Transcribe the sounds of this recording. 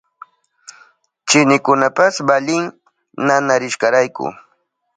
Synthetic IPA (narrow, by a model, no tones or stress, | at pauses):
t͡ʃɪnɪkʊnapasbalɪŋ | nanaɾɪʃkɑɾajkʊ̰